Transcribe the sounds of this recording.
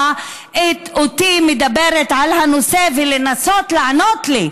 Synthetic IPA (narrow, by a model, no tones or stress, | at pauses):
itot̪imed̪abe̞ʁet̪ʕalhanose̞velenaso̞t̪laano̞t̪li